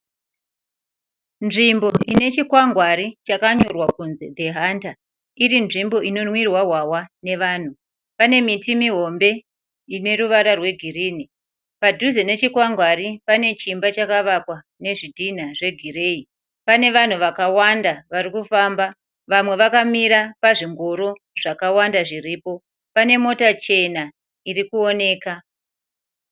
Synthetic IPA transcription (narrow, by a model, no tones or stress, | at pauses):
nʐimbo̞ine̞t͡ʃikwaŋɡwaɾit͡ʃakaɲorwakunze̞d̪ʱe̞ɦanta | iɾinʐimbo̞ʔino̞nwirwaɦwawane̞ʋaːn̤u | pane̞mitimiɦo̞mbe̞ | ine̞ɾuʋaɾarwe̞ɡʱiriːni | padʱuzene̞t͡ʃikwaŋɡwaɾipane̞t͡ʃimbat͡ʃakaʋakwa | ne̞ʐidʱin̤aʐe̞ɡʱire̞ːi | pane̞ʋan̤uʋakawandaʋaɾikufaːmba | ʋamwe̞ʋakamiɾapaʐiŋɡoɾo̞ | ʐ̥akawandaʐiriːpo̞ | pane̞mo̞tat͡ʃe̞na | irikuo̞ne̞ːka